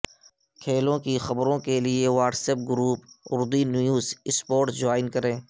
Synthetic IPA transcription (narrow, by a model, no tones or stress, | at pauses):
kʰeːlõkixɐbɾõkelieʋaːʈsep̚ɡʊɾuːpʊɾd̪injuːzɪspoːɾʈd͡ʒaːɪnkɐɾẽː